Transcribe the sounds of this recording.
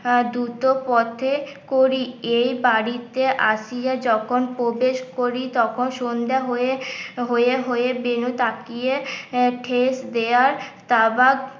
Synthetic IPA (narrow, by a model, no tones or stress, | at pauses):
d̪ɾut̪opɔt̪ʰe | koɾiejbaɽit̪eʔaʃijad͡ʑɔkʰonpɾobeʃkoɾit̪ɔkʰonʃond̪aɦoeɦoeɦoebenut̪akijeʈʰesd̪eaɾt̪abak